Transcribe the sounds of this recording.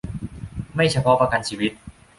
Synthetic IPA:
ma˥˩jt͡ɕʰa˧pʰɔ˦˥pa˧ka˧nt͡ɕʰiː˧wi˦˥t̪̚

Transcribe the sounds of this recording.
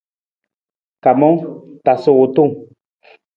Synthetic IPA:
ka˨mɔ˦ŋta˨so˦˨t̪u˦˨ŋ

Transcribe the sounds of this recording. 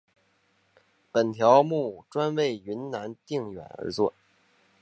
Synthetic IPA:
pə˨˩nt̪ʰjɑ˧˥ʊmu˥˩ʈ͡ʂwa˥nwe˥˩ɪy˧˥nna˧˥nt̪i˥˩ŋɥɛ̰˨˩nə̰˞˧˥t͡swɔ˥˩

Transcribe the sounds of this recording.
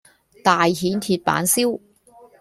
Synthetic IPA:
t̪aː˨jɦiː˨˥nt̪ʰiː˧t̚pa̰ː˨˥nsiː˥w

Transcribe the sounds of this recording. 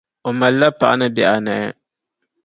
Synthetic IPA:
o˨ma˨lːa˦pa˨ʔa̰˦nɨ˦bɛ˨ʔa˨na˨ɛ̰˦

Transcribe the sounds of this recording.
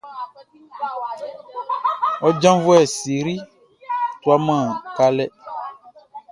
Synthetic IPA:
wɔ˦d͡ʒã˦vu˦ɛ˦˨si˨ɾi˦ | t̪u˦a˦mã˦˨ka˦lɛ˦

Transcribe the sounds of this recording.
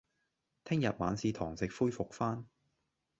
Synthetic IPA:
t̪ʰɪ˥ŋjɐ˨t̚ma̰ː˨˧nsiː˨˧t̪ʰɔː˨˩ŋsɪ˨k̚fuː˥jfʊ˨k̚faː˥n

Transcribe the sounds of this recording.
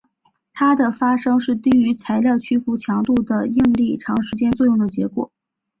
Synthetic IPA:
t̪ʰa˥d̪ə˨fa˥ʂɤ˥ŋʂɻ̩˥˩t̪i˥y˧˥t͡sʰa˧˥ɪljɑ˥˩ʊt͡ɕʰy˥fu˧˥t͡ɕʰjɑ˧˥ŋt̪u˥˩d̪ə˩i˥˧ŋli˥˩ʈ͡ʂʰɑ˧˥ŋʂɻ̩˧˥t͡ɕjɛ˥nt͡swɔ˥˧jʊ˥˩ŋd̪ə˩t͡ɕjɛ˧˥kwɔ̰˨˩˦

